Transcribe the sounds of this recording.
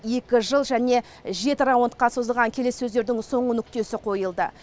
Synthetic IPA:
e̞kʲɪʒəlˠʒæne̞ | ʒe̞t̪ɪɾawənt̪̚qɑso̞zəlˠʁɑŋkʲʰe̞le̞sːɵzd̪e̞ɾd̪ɪŋso̞ɴənʏk̚t̪e̞sɪqʰo̞jəlˠd̪ə

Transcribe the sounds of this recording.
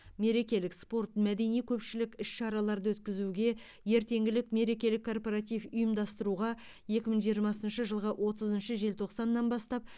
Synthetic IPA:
me̞ɾe̞kʲe̞lɪkspo̞rt̪mæd̪e̞nijkʲʰɵpʃɪlɪkʲɪʃʃɑɾɑlˠɑɾd̪əwɵt̪kʲɪzuɡʲe̞ | je̞ɾt̪e̞ŋɡʲɪlɪkme̞ɾe̞kʲe̞lɪkʰːo̞rpo̞ɾat̪̬ijvʊjəmd̪ɑst̪əɾuʁɑ | je̞kʲɪməɴʒijəɾmɑsənʃəʒəlˠʁəʔwʔo̞t̪əzənʃəʒe̞lt̪ʰo̞qsɑnːɑnbɑst̪ɑp̚

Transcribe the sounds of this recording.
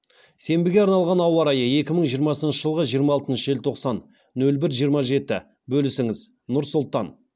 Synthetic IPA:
se̞mbɪɡʲe̞ɑɾnɑlˠʁɑnɑwɑɾɑjəe̞kʲɪməɴʒijəɾmɑsənʃəʒəlˠʁəʒijəɾmɑɑlˠt̪ənʃəʒelɪt̪ʰo̞qsɑnː | ɵlbɪɾʒijəɾmɑʒe̞t̪ɪ | bɵlɪsɪŋɪz | nʊɾsʊlˠt̪ɑn

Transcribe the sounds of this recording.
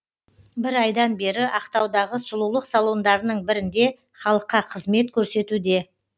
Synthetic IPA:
bɪɾɑjd̪ɑnbe̞ɾɪʔɑqt̪ɑwd̪ɑʁəsʊlˠulˠəqsalˠo̞nd̪ɑɾənəɴbɪɾɪnd̪e̞ | χɑlˠəqːɑqʰəzme̞t̪̚kʲʰɵɾse̞t̪ud̪e̞

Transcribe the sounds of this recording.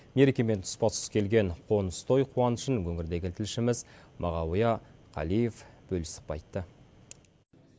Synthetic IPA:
me̞ɾekʲeme̞nt̪ʰʊ̥spɑt̪sə̥skʲʰe̞lɡʲe̞ɴqʰo̞nəst̪ʰo̞jqʰuɑnəʃənwɵŋɪɾd̪e̞ɡʲɪt̪ʰɪlʃɪmɪzmʔɑʁɑwjɑqʰɑ̰lijefb̥ɵlɪsə̥q̚pɑjt̪ːə

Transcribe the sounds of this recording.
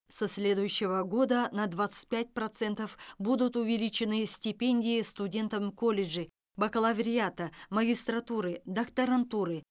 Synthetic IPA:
sɐsʲlʲe̞d̪ʊjʉɕːɪvəɡo̞d̪ənɐd̪vat̪sɨ̥t̚ʲpʲæt̚ʲpɾɐt̪sɛnt̪əfbud̪ʊt̪ʊvʲɪlʲit͡ɕɪnɨsʲtʲɪpʲenʲdʲɪjɪst̪ʊdʲe̞nt̪əmkolʲɪʐɨ | bɐkəlˠavʲɾʲɪat̪əmɐɡʲist̪ɾɐt̪uɾɨd̪ɐkt̪ɐɾɐnt̪uɾɨ

